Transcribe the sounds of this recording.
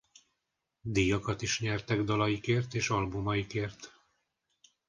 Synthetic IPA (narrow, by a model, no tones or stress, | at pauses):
d̪ijɒkɒt̪iʃɲɛrt̪ɛɡd̪ɒlɒjikeːrt̪eːʃɒlbumɒjikeːrt̪